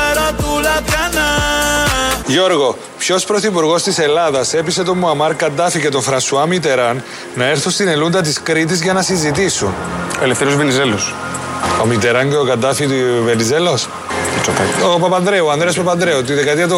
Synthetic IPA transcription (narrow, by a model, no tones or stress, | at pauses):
n | ʝo̞ɾɣo̞ | pço̞spɾoθipuɾɣo̞st̪ise̞lɐðɐse̞pise̞t̪o̞mːuɐmɐɾkɐd̪ːɐficet̪o̞ɱfɾɐnsuɐmit̪̬e̞ɾɐnː | ɐeɾθust̪inelund̪ɐt̪̬iskɾit̪̬izʝɐnɐsizit̪isun | oelefθeɾiozvenizelos | omit̪eɾɐnceokɐd̪ɐfit̪uvenizelos | t͡ʃːopɐopɐpɐnd̪ɾeoɐnd̪ɾeospɐpɐnd̪ɾeot̪iðekɐt̪iɐt̪o